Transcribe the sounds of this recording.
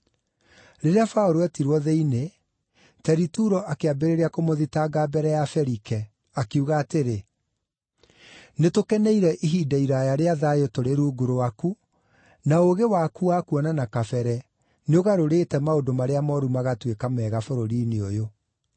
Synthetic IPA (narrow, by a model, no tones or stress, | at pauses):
ɾeɾeafaoɾoɛtiɾwɔðɛine | tɛɾituɾɔʔakeabeɾeɾeakomoðitaɡaːbɛɾɛjafɛɾikɛ | akeuɣaːteɾe | netokɛnɛiɾɛʔiɦiːdaiɾajaɾeaðajotoɾeɾuːɡuɾowaku | naoɣewakuakuɔnanakafɛɾɛ | neoɣaɾoɾetɛmaodomaɾeamɔɾumaɣatwekamɛːɣafoɾoɾiːneojo